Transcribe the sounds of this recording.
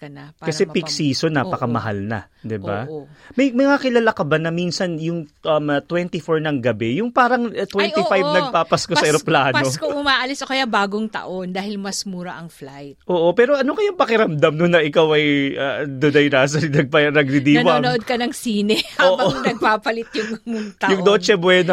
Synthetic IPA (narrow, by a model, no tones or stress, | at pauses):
kɐnɐkɐsɛpɪksiːso̞nːaːpɐkɐmɐɦa̰lnɐ̰ | d̪ɪba̰mɐjmɐŋakɪlalakɐbanɐminsɐnjʊŋʔɐmt̪wɛnt̪ifoɹnɐŋɡɐbɛjʊŋpaːɾɐŋɐt̪wɛnifajvnɐɡpaːpɐskosɐɪɾɐplaːnɐokoʊmaːʔɐlɪsʔokɐjabaːɡoŋt̪ɐ̰ʔond̪aːhɪlmɐsmuːɾɐ̰ʔɐŋflajt̪ʔoːʔo̞pɛːɾo̞ʔɐno̞kɐjʊŋpɐkɪɾɐmd̪ɐmnonɐʔɪkawʔɐjʔɐd̪ʊd̪ajnasɐnɐɡ̚pɐnɐɡ̚ɾɪd̪iːɐnoɐoʔod̪̚kɐnɐŋsiːnɛhʔaoːʔbɐoŋnɐɡ̚ppaːpɐlɪt̪jʊŋmʊt̪ɐjʊŋd̪oːt͡ʃɛbwɛno